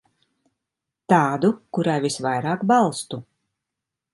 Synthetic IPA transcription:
t̪aːd̪ukuɾajvisvajɾaːkbalˠst̪u

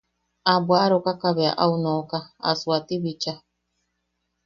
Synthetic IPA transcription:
abwaɾokakaβea̰ʔaunõkaa̰suat̪iβit͡ʃa

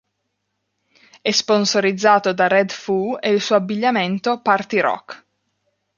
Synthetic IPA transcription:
ɛsponsoɾid̪zːaːt̪od̪aɾɛd̪fueilsuːoabːiʎːament̪opart̪iɾɔ̰kː

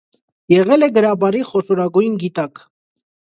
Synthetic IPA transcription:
jɛʁɛlɛɡəɾɑbɑɾiχɔʃɔɾɑɡujnɡit̪ɑk

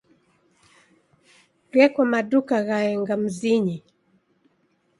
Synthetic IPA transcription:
ɣɛkwamaɗukaɣaɛŋɡam̩ziɲi

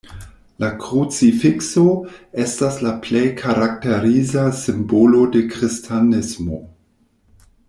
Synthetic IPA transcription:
lakɾut͡sifiksoe̞staslaple̞jkʰaɾak̚teɾizasimbolo̞de̞kɾistʰanismo

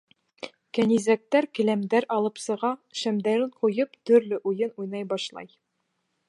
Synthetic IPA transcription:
kænizæk̚t̪æɾkɘ̆læmd̪æɾɑlˠɤpsɤ̆ʁɑʃæmd̪æɾɘɴqujɤpt̪ɵ̆ɾlɘʔujɤnujnɑjbɑʃlˠɑ̰j

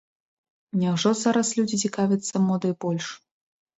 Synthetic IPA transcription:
nʲawʐɔzaɾɐslʲud͡zʲit͡sʲikavʲɐt̪sːɐmɔd̪ɐbɔlʲʂ

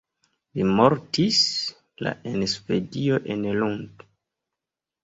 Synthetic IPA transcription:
limo̞ɾtis | la̰ʔenspe̞dio̞ʔe̞nlund

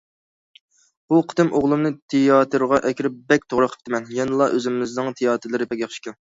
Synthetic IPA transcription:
b̥uqʰə̥d̪ɨmoʁlˠumnɨt̪ʰɪjɑːt̪ʰɨɾʁɑʔɛkʲɾɪp̚bɛk̚ʲt̪ʰoʁɾəqʰə̥p̚t̪ʰɪmɛnjɛnɨlˠɑʔøzɪmɪznɨŋt̪ʰejɑːt̪ʰɨɾlˠɨɾɨpɛkʲɑχʃi̥kʲɑn

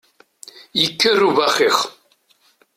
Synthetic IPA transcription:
jəkːərːuvæχiχ

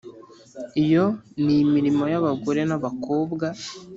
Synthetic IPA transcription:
ijo̞nimiɾimo̞jaβaɡoɾe̞naβako̞ːbɡa

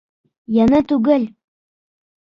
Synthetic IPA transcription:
jɑnɤt̪ʉɡɘl

